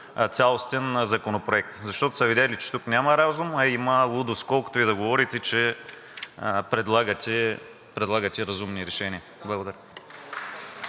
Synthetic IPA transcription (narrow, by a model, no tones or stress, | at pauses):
t̪sʲalˠost̪ɛnzɐkonopɾoɛk̚t̪zɐʃt̪ɔt̪ʊ̥sɐvid̪ʲɛlit͡ʃɛ̥t̪uknʲamɐɾazumɐiməlˠud̪ʊskɔlˠkʊ̥t̪oid̪ɐɡovɔɾit̪ɛt͡ʃɛ | pɾɛd̪lˠaɡət̪ʲɛ | pɾɛd̪lˠaɡət̪ʲɛɾɐzumniɾɛʃɛnʲiɐ | blˠɐɡod̪ɐɾʲə